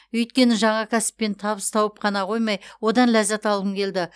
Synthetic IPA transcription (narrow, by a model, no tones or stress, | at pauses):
ɵjt̪̚kʲe̞nɪʒɑɴɑkʲʰæsɪ̥pːe̞nt̪ʰɑβəst̪ʰɑwəp̚qʰɑnɑqʰo̞jmɑjwo̞d̪ɑnlæzæt̪ɑlˠəmkʲʰe̞ld̪ɪ